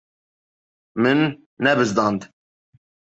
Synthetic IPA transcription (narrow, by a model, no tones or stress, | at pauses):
mɨnː | ɛbɨzd̪ɑːnd̪